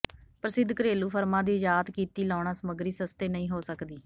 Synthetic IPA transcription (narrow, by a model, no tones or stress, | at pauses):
pɾəsɪd̪kəɾeːluːpʰəɾmãːd̪iːɪd͡ʒaːt̪kiːt̪iːlaːɳ̃ãːsəməɡɾiːsəst̪eːnəĩːɦoːsəkd̪iː